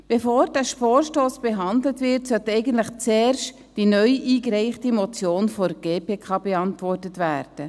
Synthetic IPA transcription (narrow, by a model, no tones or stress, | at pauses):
b̥efoːɾdæʃpɔːɾʃtoːsb̥eɦɑndlətvɪrtsœtɛɪɡən̩tləχt͡seːrʃt | d̥inœʏʔiːkɾɛɪχtimot͡sjoːnfɔɾɡ̥eːpʰeːkʰɑːbeɑntʋɔrtətvæːrd̥ə